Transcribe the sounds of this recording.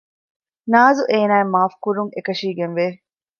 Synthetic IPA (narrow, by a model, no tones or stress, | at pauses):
naːzuʔeːnaːemaːfkuɾuŋekɐʃiːɡenʋeː